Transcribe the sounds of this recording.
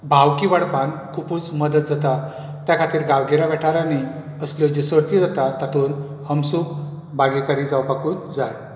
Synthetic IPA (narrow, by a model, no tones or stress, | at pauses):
bʱawkiʋaɽpankʰupuːt͡sməd̪ət̪̚d͡zat̪a | t̪jakʰat̪iːɾɡaʋɡeɾaʋɛʈaɾanaj | əsljɔd͡ʑesəɽt̪id͡zat̪at̪at̪ʰuːn | həmsuːk̚ | baɡekaɾiːd͡zaʋwpakuːt̪d͡zaj